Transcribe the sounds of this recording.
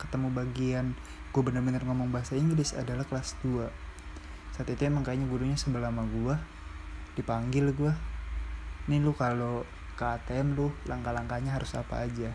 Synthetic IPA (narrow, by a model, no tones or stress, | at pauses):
kə̥t̪əmubaɡian | ɡuabənərbənarŋomɔŋbaɦasaiŋɡlɪsa̰dalahkəlasdua | saːt̪it̪ujaməŋkajaɲaɡuɾuɲasəmbəlamaɡua | dipaŋɡɪlɡua | nilʊkalo | kaːt̪eɛmlʊhlaŋkalaŋkaɲaɦaɾʊsa̰pa̰ːd͡ʒa